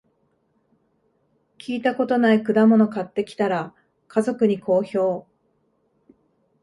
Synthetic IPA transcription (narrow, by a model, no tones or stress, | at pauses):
kʲʰiːt̪ako̞t̪o̞naikɯ̟d̪amo̞no̞kat̪ːe̞kʲi̥t̪aɾa | kʰazo̞kɯ̟ɲ̟ikʰo̞ːço̞ː